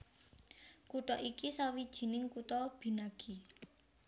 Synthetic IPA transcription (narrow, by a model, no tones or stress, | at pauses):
kut̪ɔʔikisawid̥ʒ̥i̤nɪŋkut̪ɔb̥i̤naɡ̥i